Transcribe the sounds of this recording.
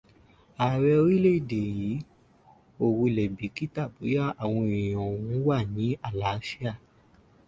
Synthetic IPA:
aː˨ɾɛ˧o˧ɾi˦le˦i˦˨de˨ji˨˦ | o˦˨wu˧˨lɛ˨bi˨˦ki˦ta˦˨bu˨˦ja˦˨a˨w̃ɔ̃˧ĩ˨j̃ɔ̃˨wũ˨˦wa˦˨nĩ˨˦a˦˨la˨˦fi˦a˦˨

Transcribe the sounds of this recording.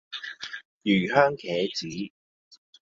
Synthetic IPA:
jyː˨˩ɦœː˥ŋkʰɛː˨˥t͡siː˨˥

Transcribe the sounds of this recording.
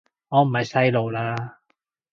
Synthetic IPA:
ŋɔː˨˧m̩˨˩hɐ˨˧jsɐ˥jlo˨˧wlaː˧

